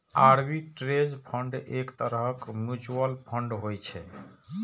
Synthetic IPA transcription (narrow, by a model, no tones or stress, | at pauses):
aɾbiʈɾed͡ʒpʰəɳɖekt̪əɾəkmjut͡ʃuəlpʰəɳɖɦojt͡ʃʰɛ